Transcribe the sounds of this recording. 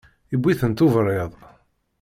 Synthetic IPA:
ibːiθənt̪ʊvɾˤjeðˤ

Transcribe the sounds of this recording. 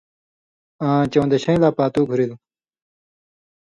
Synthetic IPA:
ãːt͡ɕɐ̃w̃nd̪eɕɐ̃j̃laːpaːt̪uːɡʱuɾil

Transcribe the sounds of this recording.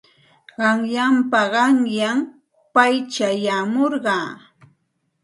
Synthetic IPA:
ɢɑŋjampaɢɑŋjam | pajt͡ʃajamoɾɢɑː

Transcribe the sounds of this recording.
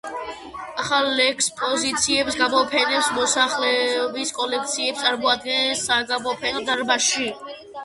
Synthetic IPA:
aχalːɛkʰspʼɔzit̪sʰiɛpsɡamɔpʰɛnɛpsmɔsaχlɛɔbiskʼɔlɛk̚ʰt̪sʰiɛpst̪ʼaɾmɔad̪̚ɡɛnɛsːaɡamɔpʰɛnɔd̪aɾbaʃi

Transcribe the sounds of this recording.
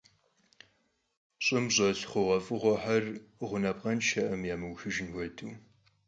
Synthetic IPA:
ɕʼɪmʑʼɐɬχʷʊʁɐfʼɨʁʷɔħarʁʷʊnɐp̚qɐnʃʰɐʔɐmjaːmɨwxɨʒɪnwʷɔtʰuː

